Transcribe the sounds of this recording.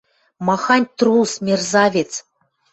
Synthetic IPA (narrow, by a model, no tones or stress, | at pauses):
mɑxɑnʲt̪rusmʲerzɑvʲet͡s